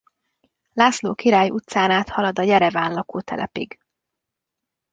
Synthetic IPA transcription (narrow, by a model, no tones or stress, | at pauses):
laːslo̰ːkiɾaːjut̪saːnaːt̪hɒlɒd̪ɒjɛɾɛvaːnlɒkoːt̪ʰɛ̰lʔɛ̰pḭɡ